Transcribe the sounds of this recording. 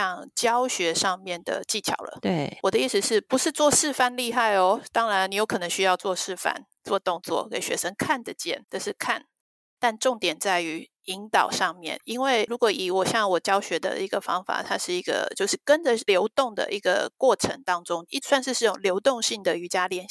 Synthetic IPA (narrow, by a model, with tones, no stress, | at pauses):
jɑ˥˩ŋt͡ɕjɑ˥ʊɕɥɛ˧˥ʂɑ˥˧ŋmjɛ˥˩nd̪ə̰˩t͡ɕi˥˩t͡ɕʰjɑ̰˨˩ʊlə̰˦t̪wɔ˨d̪ə˦i˥˩s̩˧ʂɻ̩˥˩pu˧˦ʂɻ̩˥˧t͡swɔ˥˧ʂɻ̩˥˧fa˥˧nli˥˧xa˥˩ɪɔ˩t̪ɑ˥ŋɻa˧˦ni˨˥jo˧˥ʊkʰɤ˨˩nɤ˧˥ŋɕy˥jɑ˥˧ʊt͡swɔ˥˧ʂɻ̩˥˩fa̰˥˩n | t͡swɔ˥˧t̪ʊ˥˧ŋt͡swɔ̰˥˩ke˨˩ɪɕɥɛ̰˧˥ʂə˥ŋkʰa˥˩ndə˨˩t͡ɕjɛ̰˥˩nd̪ə˨ʂɻ̩˥˩kʰa̰˥˩n | t̪a˥˧nʈ͡ʂʊ˥˩ŋt̪jɛ˨˩nt͡sa˥˩ɪy˧˥ | i˧˥ŋt̪ɑ˨˩ʊʂɑ˥˧ŋmjɛ̰˥˨˩ni˥nwe˥˩ɪɻu˧˥kwɔ˧˥i˨˩wɔ˨˩ɕjɑ˥˩ŋwɔ˨˩t͡ɕjɑ˥ʊɕɥɛ˧˥d̪ə̰˧ʔi˧˥ɡə˨fɑ̰˥ŋfa̰˨˩t̪ʰa˥ʂɻ̩˥˩i˧˥ɡə̰˧˩t͡ɕjo˥˧ʊʂɻ̩˥˩kə˦˥nd͡ʒə˨ljo˧˥ʊt̪ʊ˥˩ŋd̪ə̰˨ʔi˧˥ɡə̰˨kwɔ˥˩ʈ͡ʂʰə̰˧˥ŋt̪ɑ˥ŋʈ͡ʂʊ˦ŋi˥swa˥˧nʂɻ̩˥˧ʂɻ̩˥˩ʈ͡ʂʊ˨˩ŋljo˧˥ʊt̪ʊ˥˧ŋɕi˥˩ŋd̪ə˨y˧˥t͡ɕja˥ljɛ˧˥˩n